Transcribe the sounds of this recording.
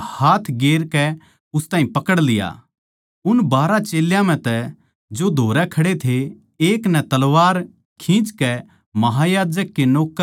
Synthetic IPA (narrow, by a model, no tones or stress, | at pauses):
haːt̪ʰɡeːɾkɛ | ʊst̪aːĩpɐkəɽlɪja̰ | ʊnbaːɾat͡ʃeːljãm̤ɛ̃t̪ɛ | d͡ʒod̪ʱoːɾɛkʰɐɽet̪ʰe | eːknɛt̪ɐlʋaːɾ | kʰĩt͡ʃkɛ | mɐɦajaːd͡ʒəkːenoːk